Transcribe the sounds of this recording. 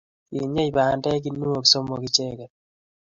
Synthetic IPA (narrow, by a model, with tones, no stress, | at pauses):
i˨ɲe˦i˨baː˨ndɛ˦k̬i˦nu˦o˨kso˦mo˨ki˨t͡ʃe˦kɛ˨